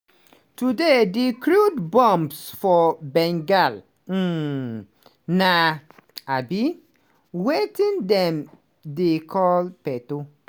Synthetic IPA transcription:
tudedekɾudbɔ̃mbsfɔbɛ̃ŋɡal̩ | naabi | wetĩndɛ̃m | dekʰɔlpɛto

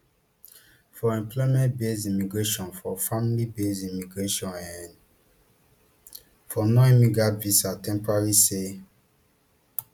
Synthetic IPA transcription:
fɔɛ̃mplɔimɛ̃nt̚bes̬imiɡɹeʃɔ̃nfɔfamilibesimiɡɹeʃɔ̃nɛ̃n | fɔnoimiɡɹatvisatɛ̃mpɔɹaɹise

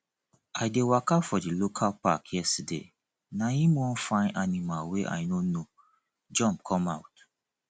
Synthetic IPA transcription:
aɪdewakafɔdilokʰalpakjɛstidḛ | nãjĩmɔ̃fãɪ̃nanĩmalweʔa̰jnono | d͡ʒɔ̃mp̚kʰɔ̃maʊt

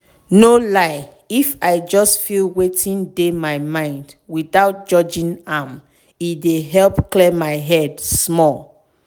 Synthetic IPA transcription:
nolaɪ | ifajd͡ʒɔstfilwetʰĩndemaɪmãɪ̃nd | wiθaʊt̚d͡ʒɔd͡ʒĩnam | ideɦɛlpklɛmaɪɦɛdsmɔl

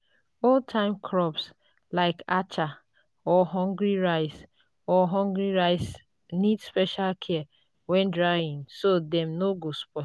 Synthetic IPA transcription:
oltʰãɪ̃mkʰɾɔps | laɪkat͡ʃa | ɔɦɔ̃ŋɡɾiɾaɪs | ɔɦɔ̃ŋɡɾiɾaɪs | nidspɛʃalkʰɛ | wɛ̃ndɾaĩnsodɛmnoɡospɔ

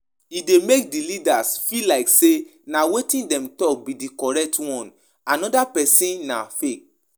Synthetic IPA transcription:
idemek̚dilidasfilaɪksenawetĩndɛ̃mtɔk̚bidikɔɹɛk̚twɔ̃n | anɔdapɛsĩnːa̰fek̚

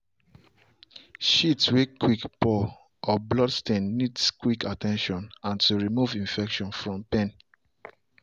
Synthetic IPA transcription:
ʃitwekʰːwikpɔ | ʔɔblɔdstẽnːidskwikatɛ̃nʃɔ̃nãntuɹimuvĩnfɛkʃɔ̃nfɹɔ̃mpɛ̃n

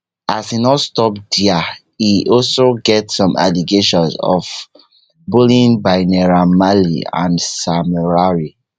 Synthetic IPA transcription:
asinɔstɔp̚dia | iʔɔlsoɡɛtsɔ̃mʔa̰liɡeʃɔ̃nzɔ̰v | bulĩnbaɪnɛɹamalḭã̰nsamɛɹaɹi

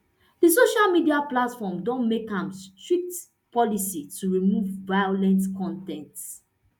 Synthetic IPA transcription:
dəsoʃalmidiaplatfɔmdɔ̃nmekãmstɹik̚t | pʰɔlisituɹimuvːajolɛ̃ntkʰɔ̃ntɛ̃nts

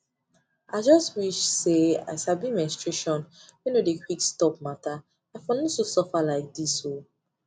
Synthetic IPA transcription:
aɪd͡ʒɔstwiʃsea̰ɪsabimɛ̃nstɹeʃɔ̃njinodekʰwikstɔp̚mata | afɔnɔsosɔfalaɪk̚diso

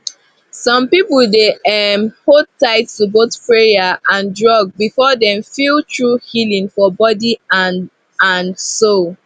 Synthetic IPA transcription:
sɔ̃mpipldeɛmhod̚taɪttubotpɹejaʔãndɹɔɡ̚bifɔdɛ̃mfiltʰɹuhilĩŋfɔbɔdia | ãnsol

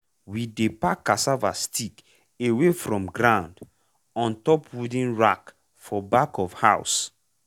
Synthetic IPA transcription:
widepakːasavastik | ewefɹɔ̃mɡɾãʊ̃nd | ɔ̃ntɔpwudĩnɹak | fɔbakɔfhaʊs

